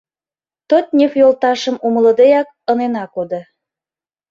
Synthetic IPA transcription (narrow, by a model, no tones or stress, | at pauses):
t̪ot̪̚nʲefjolt̪ɑʃə̆mumələd̪ejɑk̚ | ənenɑkod̪ə̆